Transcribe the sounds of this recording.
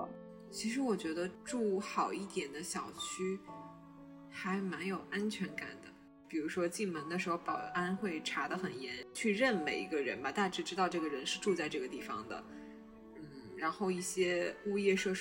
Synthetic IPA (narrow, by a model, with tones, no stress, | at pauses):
t͡ɕʰi˧˥ʂɻ̩˧˥wɔ˨˩t͡ɕɥɛ˧˥d̪ə˧ʈ͡ʂu˥˩xɑ˨˩ʊi˥˩t̪jɛ˨˩nd̪ə˦ɕjɑ˨˩ʊt͡ɕʰy˥ | xa˧˥ɪma˧˥njo˨˩ʊʔa˥nt͡ɕʰɥɛ˧˥nka̰˨˩nd̪ə˦ | pi˨˩ɻu˧˥ʂwɔ˥t͡ɕi˥˩ŋmə˧˥nd̪ə˧ʂɻ̩˧˥xo˥˧ʊpɑ˨˩ʊʔa˥nxwe˥˩ɪʈ͡ʂʰa˧˥d̪ə˧xə˨˩njɛ˧˥nt͡ɕʰy˥˧ɻə˥˩nmḛ˨˩ɪi˧˥ɡə˧ɻə̰˧˥nbɐ˧t̪a˥˩ʈ͡ʂɻ̩˥˩ʈ͡ʂɻ̩˥t̪ɑ˥˧ʊʈ͡ʂɤ˥˩ɡə˩ɻə˧˥nʂɻ̩˥˧ʈ͡ʂu˥˧t͡sa˥˧ɪʈ͡ʂɤ˥˩ɡə˩t̪i˥˩fɑ̰˩ŋd̪ə̰˩ | n̩˥˩ɻa˧˥nxo˥˧ʊi˥˩ɕjɛ˥u˥˧jɛ˥˧ʂɤ˥˧ʂ